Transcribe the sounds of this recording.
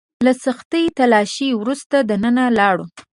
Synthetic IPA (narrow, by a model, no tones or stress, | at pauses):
lasaxt̪əjt̪alɑʃiwɾust̪ad̪anənalɑɽu